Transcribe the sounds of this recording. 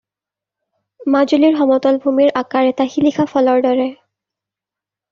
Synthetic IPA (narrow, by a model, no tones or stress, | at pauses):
mazuliɹɦɔmɔtɔlbʱumiɹʔakaɹɛtaxilixʰapʰɔlɔɹdɔɹɛ